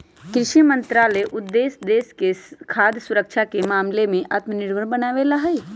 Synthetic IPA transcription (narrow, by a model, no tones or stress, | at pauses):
kɾɪʃimə̃nt̪ɾaːleʔʊd̪ːeːsd̪eːskekʰaːd̪ʱsʊɾəkʃʰakemaːmlemẽʔaːt̪mənɪɾʋəɾbənaːʋelaɦɛː